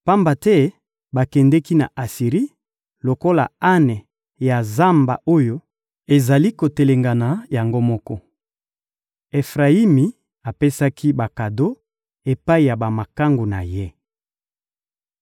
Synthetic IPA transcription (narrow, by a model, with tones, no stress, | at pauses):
pa˦mba˨tɛ˦ | ba˨kɛ˨ndɛ˦ki˦na̰˨ʔa˨si˨ʁi˦ | lo˨ko˦la̰˨a˦nɛ˨ | ja˨za˦mba̰˨o˦jo˦ | e˨za˨li˦ko˨te˨le˨ŋɡa˨na˨ja˨ŋɡo˦mɔ˦kɔ˦ | e˨fʁa˨i˦mi˨ | a˨pe˦sa˦ki˦ba˨ka˨do˦ | e˨pa˦i˨ja˨ba˨ma˨ka˦ŋɡo˨na̰˨je˦